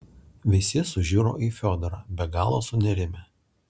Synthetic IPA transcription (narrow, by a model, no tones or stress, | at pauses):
ʋʲɪsʲɪsʊʒʲuːɾo̰ːʔiːfʲɔd̪ɔɾɑːbʲɛɡɑːlˠoːsʊnʲɛɾʲɪmʲɛ